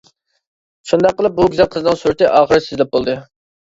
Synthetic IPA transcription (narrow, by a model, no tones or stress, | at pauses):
ʃund̪ɑqːəlˠɨp̚buɡʲyzɛqʰəzɨnɨŋsuɾt̪ɨʔɑːχəɾɨsɪzlɛp̚bolˠd̪ɨ